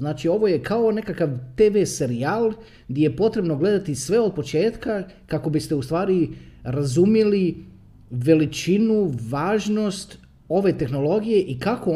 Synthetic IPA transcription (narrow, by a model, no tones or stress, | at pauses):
naːt͡ʃio̞ʋo̞je̞kao̞ne̞kakaʋt̪e̞ːʋese̞ɾiaːlˠ | ɡd̪jeje̞po̞t̪ɾe̞bno̞ɡle̞d̪at̪isʋe̞o̞d̪̚po̞t͡ʃe̞ːt̪kakako̞bist̪e̞ust̪ʋaːɾiɾazumili | ʋe̞lit͡ʃinuʋaːʒno̞st̪ | o̞ʋe̞t̪e̞xno̞lo̞ɡije̞ʔikako